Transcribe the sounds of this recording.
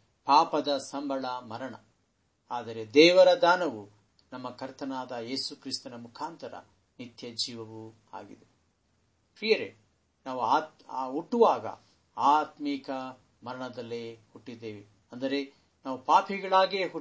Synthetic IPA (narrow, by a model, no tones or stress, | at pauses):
paːpɐd̪ɐsɐmbʱɐɭɐmɐɾɐɳɐ̰ | aːd̪ɐɾe̞d̪ɛːʋɐɾɐd̪aːnɐʋu | nɐmːɐkɐɾt̪ɐnaːd̪ɐje̞ːsukɾist̪ɐnɐmukʰaːnt̪ɐɾɐ̰ | nit̪jɐd͡ʒiːʋɐʋu | a̰ːɡḭd̪e | pɾiːjɐɾḛ | naːʋuaɦuʈːuʋaːɡɐ̰ | aːt̪mikɐ | mɐɾɐɳɐd̪ɐlːeːhuʈːid̪ːeːʋi | ɐnd̪ɐɾe̞ | naːʋupaːpʰiɡɐɭaːɡeːɦu